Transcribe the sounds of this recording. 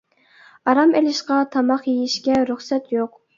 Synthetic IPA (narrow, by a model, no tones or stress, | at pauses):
ɑɾɑmelɪʃqɑt̪ʰɑmɑχjejiʃkʲɛɾyχsɛt̪joq